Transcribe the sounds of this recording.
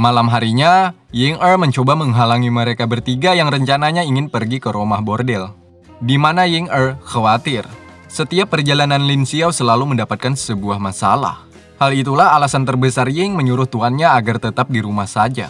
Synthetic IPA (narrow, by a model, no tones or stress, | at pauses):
malamɦaɾiɲajɪŋərməɲt͡ʃobaməŋɦalaŋiməɾekabərt̪iɡajaŋrəɲt͡ʃanaɲaiŋɪnpərɡikəɾomahbordɛl | dimanajɪŋərkawat̪ɪr | sət̪iapːərd͡ʒalananlinsiawsəlaluməndapat̪̚kansəbuahmasa̰la̰h | halit̪̬ulaɦalasant̪ərbəsarjɪŋməɲuɾʊht̪uanɲaːɡart̪ət̪ap̚diɾumahsad͡ʒa̰